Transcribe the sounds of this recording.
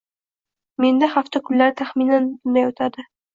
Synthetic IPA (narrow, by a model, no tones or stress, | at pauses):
me̞nd̪ahaft̪akʰʊnlaɾɪt̪ʰaχminanbʊnd̪ajot̪ʰad̪ɪ